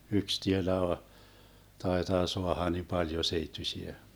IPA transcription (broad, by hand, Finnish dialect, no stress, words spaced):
yks tielæ tɑitɑː soɑhɑ ni pɑljo seitːysiæ